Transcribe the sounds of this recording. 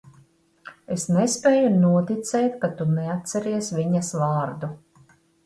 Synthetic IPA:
esnespʲeːjunuɔt̪it̪sɛjt̪kat̪uneat̪t̪sɛɾiɛsviɲasvaːɾd̪u

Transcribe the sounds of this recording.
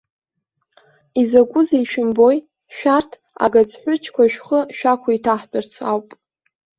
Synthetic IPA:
izaɡʷʼʊzaiʃᶣɪmbo̞j | ʃᶣartʰ | a̰ɡad͡zħʷʊt͡ʃʰkʷaʃᶣχəʃᶣakʷʰaitʰaħbɨrt͡sʰawpʼ

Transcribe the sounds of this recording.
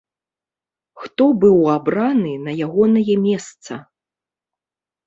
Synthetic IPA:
xt̪ɔbɨwabɾanɨnɐjaɣɔnɐjɛmʲɛst̪sɐ

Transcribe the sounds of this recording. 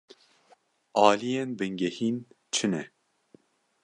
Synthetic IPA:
ɑːlijenbɨŋɡɛhiːn | t͡ʃʰɨnɛ

